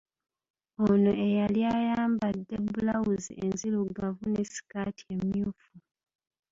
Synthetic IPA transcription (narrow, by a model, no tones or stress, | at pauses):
ono̞e̞jaljaːjaːmbadːe̞bulawuzḭʔenziluɡavune̞si̥katie̞mjuːfu